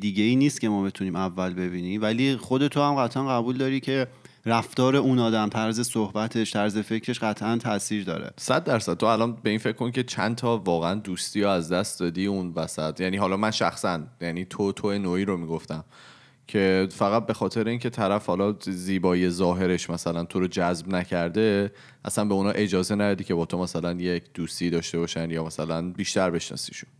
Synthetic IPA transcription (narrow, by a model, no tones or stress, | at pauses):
d̪iːɟeiːniːst̪cʰe̞mɒːmit̪ʰuniːmævːælbe̞biːniːvæliːχo̞d̪e̞t̪ʰohæmɢæt̪ʰʔænɣæbuːld̪ɒːɾicʰe̞ | ɾæft̪ɒːɾe̞unɒːd̪æmt̪ʰæɾzesohbæt̪ʰe̞ʃt̪ʰæɾze̞fe̞cʰɾe̞ʃɢæt̪ʰʔænt̪ʰæsiːɾd̪ɒ̰ːɾḛsæd̪ːæɾsæd̪̚t̪ʰoælɒnbe̞iːnfecʰːkoncʰet͡ʃʰænt̪ʰɒːvɒːɣeænd̪uːst̪iːɒæzd̪æst̪̚d̪ɒːd̪iːunvæsæt̪ʰjæniːɦɒːlɒːmænʃæxsænjæniːt̪ʰot̪ʰoenoiːɾomiːɡoft̪æm | cʰe̞fæɣæt̪̚bexɒːt̪ʰe̞ɾeiːncʰe̞t̪ʰæɾæfhɒlɒziːbɒːie̞zɒːɦe̞ɾe̞ʃmæsælænt̪ʰoɾod͡ʒæzbnæcʰæɾd̪e̞ | ʔæ̰sænbe̞unɒːʔe̞d͡ʒɒːzenæd̪ɒd̪iːcʰe̞bɒːt̪ʰo̞mæsælænjecʰd̪̥uːst̪iːd̪ɒːʃt̪e̞bɒːʃænd̪jɒːmæsælænbiːʃt̪æɾbe̞ʃnɒ̰sḭʃu̥n